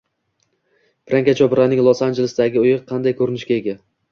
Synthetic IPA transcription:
pʰɾaŋkʲat͡ʃʰɒbɪɾanɪŋlˠosand͡ʒelɪsd̪aɡʲɪʊjɪqqʰɑnd̪ajkʰɵɾɪnɪʃkʲaeɡʲa

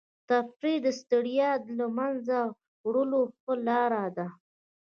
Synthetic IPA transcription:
t̪afɾid̪əst̪əɽijɑd̪lamanza | wɽəloəlɑɾad̪a

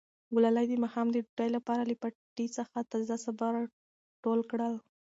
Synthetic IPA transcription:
ɡulalajd̪əmahɑmd̪əɖajlapɑɾalipaʈit͡səxat̪azasabaɾ | ʈolkɽəl

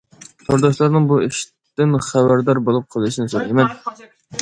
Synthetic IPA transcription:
soɾd̪ɑʃlˠɑɾnɨŋbueʃ | t̪ɪnχæbæɾd̪ɑɾbolˠup̚qʰəlˠɨʃinɨsoɾemɛn

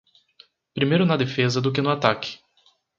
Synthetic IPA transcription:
pɾimejɾʊnɐd̪efezɐd̪ʊk̬ɪnʊat̪akɪ̥

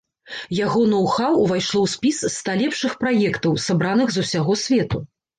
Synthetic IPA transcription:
jaɣɔnɐwxawvajʂlˠɔwsʲpʲisst̪alʲɛpʂɨxpɾajɛkt̪ɐwsabɾanɨɣzusʲaɣɔsʲvʲɛt̪u

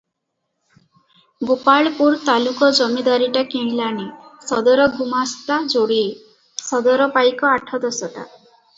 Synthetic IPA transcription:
bupaɭpuɾt̪alukɔd͡ʒɔmid̪aɾiʈakeɽ̃lanisɔd̪ɔɾɔɡumast̪ad͡ʒoɽie | sɔd̪ɔɾɔpajkɔaʈʰɔd̪ɔsɔʈa̰

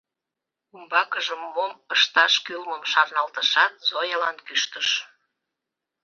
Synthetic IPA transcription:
umbɑkəʒəmːoməʃt̪ɑʃkylməmʃɑrnɑlt̪əʃɑt̪̚zojəlɑnkyʃt̪əʃ

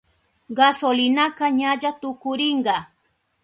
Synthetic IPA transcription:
ɢasolɪnakɑɲaʎat̪ʊkʊɾɪɴɢɑ

